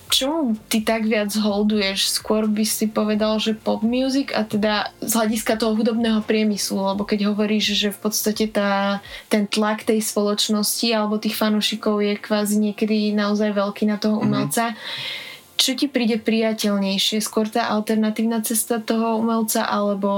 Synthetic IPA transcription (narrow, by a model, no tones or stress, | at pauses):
t͡ʃɔmut̪it̪aɡʋɪad͡zɦɔld̪ujɛʃskʊɔɾbisipɔʋɛd̪alʒɛpɔbmjuːziɡa̰t̪ɛd̪azɦlaɟiskat̪ɔɦɔɦud̪ɔbnɛːɦɔpɾɪɛmislulɛbɔkɛɟɦɔʋɔɾiːʒʒɛfpɔt̪st̪acɛt̪aːt̪ɛnt̪lakt̪ɛjspɔlɔt͡ʃnɔscialɛbɔt̪iːxfanuːʃikɔʊjɛkʋaːziɲɪɛkɛd̪inaɔzajʋɛlkiːnat̪ɔɦɔṵmɛlt͡sa | t͡ʃɔcipɾiːɟɛpɾijacɛʎɲɛjʃɪɛskʊɔɾt̪aːʔalt̪ɛɾnat̪iːʊnat͡sɛst̪at̪ɔɦɔumɛlt͡sa̰ʔalɛbɔ